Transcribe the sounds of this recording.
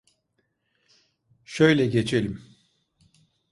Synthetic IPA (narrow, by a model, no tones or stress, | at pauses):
ʃøjlʲɛɟet͡ʃʰelʲim